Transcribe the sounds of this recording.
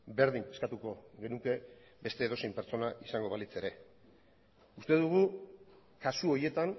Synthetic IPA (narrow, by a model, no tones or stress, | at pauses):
be̞ɾðiŋe̞skat̪uko̞ɣe̞nuke̞ | be̞st̪e̞ːð̞o̞se̞jmpe̞ɾt͡so̞naʔisaŋɡo̞βalit͡se̞ɾe̞ | ust̪e̞ðuɣ̞u | kasuo̞ɾje̞t̪an